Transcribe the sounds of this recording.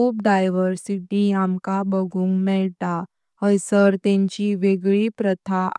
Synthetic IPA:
up̚ɖajʋəɾsiʈiamkabəɡʱũːŋɡmɛɭt̪a | əjsəɾt̪ẽɲt͡ɕiʋeɡɭipɾət̪ʰa

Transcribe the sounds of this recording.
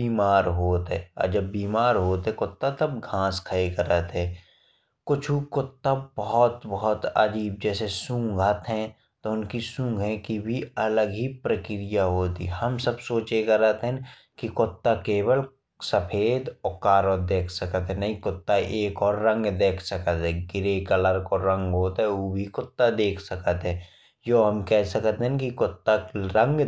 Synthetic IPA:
biːmaːɾɦoːt̪ɦɛ̃ɐ̰d͡ʒəbːiːmaːɾɦoːt̪ɦɛ̃kʊt̪ːat̪ɐbɡʱãːskʰəekɐɾət̪ɦɛ̃ː | kʊt͡ʃʰukʊt̪ːabɔɦɔt̪bɔɦɔt̪ə̰d͡ʒiːb̚d͡ʒɛːsesũːŋɡʱət̪ɦɛ̃ | t̪oʊnkisũːŋɡʱɛ̃kibʱiɐləɡɦipɾəkɪɾijaɦoːt̪ḭːɦɐmsɐbsoːt͡ʃekəɾət̪ɦɛ̃ | kikʊt̪ːakeːwəl | səpʰeːd̪ɔːkaːɾoːd̪eːkʰsəkət̪ɦɛ̃nɐɦĩkʊt̪ːaʔeːkɔːɾːə̃ŋɡd̪eːkʰsəkət̪ɦɛ̃ɡɪɾekɐləɾkɔɾə̃ŋɡɦoːt̪ɦɛ̃oːbʱikʊt̪ːad̪eːkʰsəkət̪ɦɛ̃ː | joːɦəmkɛɦsəkət̪ɦɛ̃kikʊt̪ːaɾə̃ŋɡ

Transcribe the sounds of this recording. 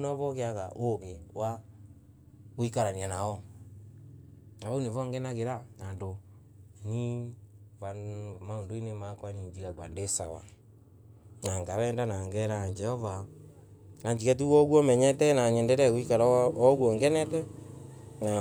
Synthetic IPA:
nɔvɔkeaɣa̰ʔokewa | ɣoikaɾanianaɔ | naβaunevɔŋɡɛnaɣeɾanando | nivamaondoinemakwaniɲd͡ʒiɣaɡwa̰ndesa̰wa̰ | naŋɡaɾɛndanaŋɡɛɾaɲd͡ʒɛhɔva | naɲd͡ʒikɛtuwɔɣwɔmɛɲɛtɛnaɲɛndɛɾɛaɣoikaɾaɔɣwɔŋɡɛnɛtɛ | na

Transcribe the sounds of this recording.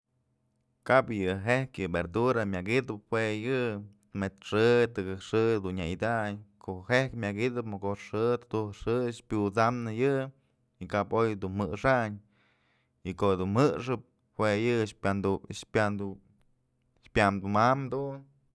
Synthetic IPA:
kapjɨɦehkjɨbeɾd̪uɾamʲaɡid̪ɨp̚hwejɨt̪met̪ʂɨt̪ɨɡɨʂɨd̪unːajid̪aɲkʰoʔhehkmʲakɡid̪ɨpmokoʂɨt̪ɨ̥d̪uʂɨʃpʲut͡samnɨjɨ | ikapojd̪unmɨʂaɲ | ikoʔd̪unmɨʂɨp̚ | hwejɨʃpand̪upad̪u | ʃpʲjamd̪umamd̪un

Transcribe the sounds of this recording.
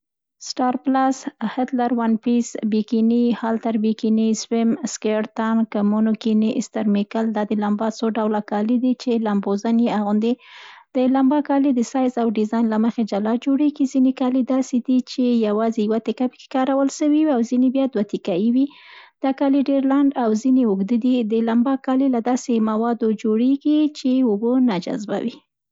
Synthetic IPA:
sʈɑɾplashɪt̪laɾwanpisbikinihalt̪aɾbikiniswɪmskeɽt̪ankəmunokiniʔɪst̪aɾmɪkald̪ɑd̪əlambɑsoɖawlakɑlid̪it͡ʃelambozanjeaɣʊnd̪ed̪̥əlambɑkɑlid̪əsɑjzawɖɪzɑjnlaməxed͡ʒalɑd͡ʒoɽeɡizinekɑlid̪ɑsed̪it͡ʃejawɑzejwat̪ɪkapə̥ke̥kɑɾawəlʃəwiwawzinebjɑd̪wat̪ɪkajiwi | d̪̥ɑkɑliɖeɾlaɳɖawzineʊɡd̪əd̪id̪əlambɑkɑlelad̪ɑsemawɑd̪od͡ʒoɽeɡit͡ʃeʊbonad͡ʒa̰zba̰wi

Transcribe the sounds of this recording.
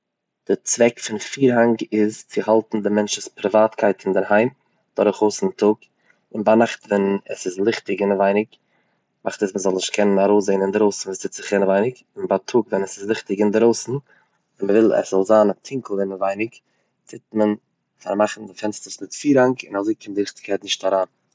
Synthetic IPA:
d̥ɪt͡svɛkfɪnfiːɾɦaŋɡɪzt͡sɪhalˠtn̩dɪmɛnt͡ʃəspɾɪvaːtkʰaɪtɪndɪɾɦaɪm | d̥ɔɾʊχoʊsɪntʰʊk | ɪnbanaχtvɛnəsɪzlˠɪχtɪɡɪnəvaɪnɪk | maχtəsməzɔlˠnɪʃtkʰɛnənaɾoʊszeɪnɪndɪɾoʊsn̩visɪt͡sɪχɪnəvaɪnɪk | ɪnbatʰʊːkvɛnəsɪslˠɪχtɪɡɪndɪɾoʊsn̩ | ɪnməvɪlˠɛ̰szɔlˠzaːnatʰɪŋkl̩ˠdɪməvaɪnɪk | t͡sɪtmən | fa̰ɾmaχn̩dɪfɛnstəɾsmɪtfiːɾhaŋkɪ̰nazoɪkʰɪmdɪlɪχtɪ̥kʰaɪtnɪʃtaɾaːn

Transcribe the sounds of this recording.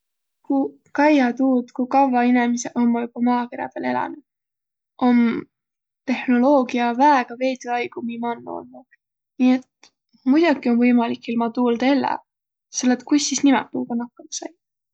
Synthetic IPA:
ku | kɑjɑt̪uːd̪kukɑvːɑinemiseʔommujub̥ɑmɑːkeɾjɑ̰b̪̥ele̞lɑ̰nud̪̥ | ʔon | t̪e̞hno̞lo̞ːɡ̥iɑvæeɡ̥ɑve̞ːd̪iɑjɡ̥umimɑonːo̰lnud̪̥ | niːet̪ | mujd̪̥ʲukio̞nvɤjmɑlikːˑilmɑt̪uːld̪̥ɑelːḛ | selːet̪kujsːisnimɛt̪ːuːɡ̥ɑnɑkːˑɑmɑsɑj

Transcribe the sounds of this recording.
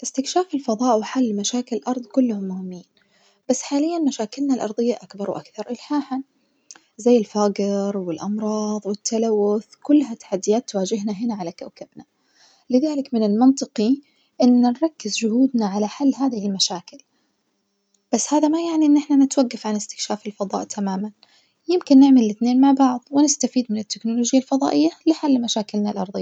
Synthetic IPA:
ʔɪst̪ɪkʃaːfɪlfɑðˤɑːʔwɪħalːmaʃaːkɪlɪlʔɑɾˤd̪ˤkʊlːhʊmːʊhɪmːiːn | b̥asːħaːlɪjːanmaʃaːkɪlnalʔɑ̰ɾˤðˤɪjːaʔakbɑɾˤwʔakθɑɾˤʔɪlħaːħan | zajːɪlfaːɡɪɾwɪlʔɑmɾˤɑːðˤwɪt̪ʰːalawːʊθkʊlːɦat̪ḁħad̪ːɪjaːt̪ːwaːd͡ʒɪɦnaɦɪnaʕalakawkabna | lɪðaːlɪkmɪnɪlmɪnt̪ˤɨqi | ʔɪnːanɾˤɑkːɪzd͡ʒʊhuːd̪naʕalaħalːɦaːðɪhɪlmaʃaːkɪl | b̥asːhaːðamajaʕniʔɪnːʔɪħnanɪt̪waɡːafʕanɪst̪ɪ̥kʃaːfɪlfɑðˤɑ̰ːʔt̪ʰamaːman | jɪmkɪnːɪʕmallɪθneːnmaʕbɑʕðˤwɪnɪst̪afiːd̪mɪnɪt̪ːɪknʊloːʒjːalfɑðˤɑ̰ːʔɪjːalɪħalːmaʃaːkɪlnalʔɑɾˤðˤɨjːa

